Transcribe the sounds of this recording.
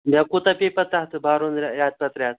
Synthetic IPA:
mjakut̪apepɐt̪aɦt̪ʰbʱaɾonɾʲjat̪̚pat̪ɾjaːt̪̚

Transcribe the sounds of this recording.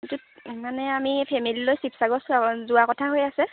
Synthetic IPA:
itu | manɛamipʰemililojsipʰsaɡɔszʊakɔtʰaɦojasɛ

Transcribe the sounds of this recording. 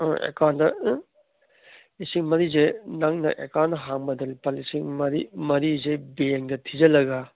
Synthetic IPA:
ɔ̰ḛkʰandɐ | isiŋmɐɾizenaŋnɐ̰ʔekanɐɦaŋbɐdɐlpalisiŋmɐɾḭmɐɾizebeŋdɐtʰizɐlɐɡɐ

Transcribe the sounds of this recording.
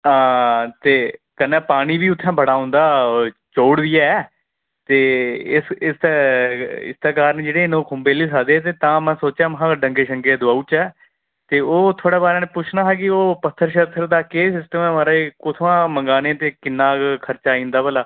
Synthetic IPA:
aːt̪eːkənːɛːpaːɽ̃iːbiːʊt̪ʰːɛ̃ːbʱəɽaːɦʊ̃nd̪aːt͡ʃoːɽd̪ɪjaːɛː | t̪eːɪsɪst̪ɛːɪ̰st̪ɛːkaːɾəned͡ʒeːɽeːnõːkʰʊmbeːliːs̬aːd̪eːɛːt̪̬eːt̪ãːmɛ̃ːsoːt͡ʃjãːməɦãːɖə̃ŋɡeːʃə̃ŋɡeːd̪ʊaːuːt͡ʃɛː | t̪eːoːt̪ʰoːɽeːbaːɾeːnẽpʊt͡ʃʰnaːɦɛk̬ɪoːpət̪ʰːəɾʃət̪ʰːəɾd̪aːkeːsɪsʈəmɛ̃ːmaːɾaːekʊt̪ʰːãːməŋɡaːnẽt̪eːkɪnːaːkkʰəɾt͡ʃaːĩːnd̪aːbəlaː

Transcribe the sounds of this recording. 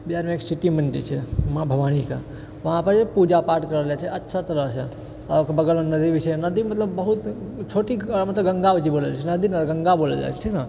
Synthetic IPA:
bijaɾmeeːksɪʈimɐ̃nʈ̪ḭt͡ʃʰemãbʱɐʋaːñika̰ | ʋɐɦãpɐɾd͡ʒepud͡ʒapaːɾʈkɐɾəljat͡ʃʰeʔɐtːʃʰat̪ɐɾət͡ʃʰe | ɐkbɐɡəlnɐd̪iʋɪʃenɐd̪imɐt̪ləbːɐɦut̪t͡ʃʰoːʈimɐt̪ləbɡɐ̃ŋɡaʋəd͡ʒiboːleat͡ʃʰenɐd̪inɐɡɐ̃ŋɡaboːlḛd͡ʒa̰t͡ʃʰe̥ʈʰiːkna

